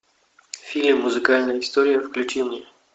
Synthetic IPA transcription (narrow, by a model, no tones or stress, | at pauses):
fʲilʲmːʊzɨkalʲnəjəɪst̪oɾʲɪjəfklʲʉt͡ɕimnʲe